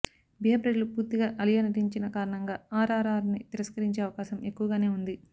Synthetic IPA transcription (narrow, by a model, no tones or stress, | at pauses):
biɦɐpɾeɖɐlupuːɾt̪iɡaːʔɐlijaːnɐʈiɲt͡ʃinɐkaːɾɐɳɐŋɡaːaːɾaːɾaːɾnit̪iɾɐskɐɾiɲt͡ʃeːɐʋɐkaːʃɐme̞kːuʋɐɡaːne̞ːund̪i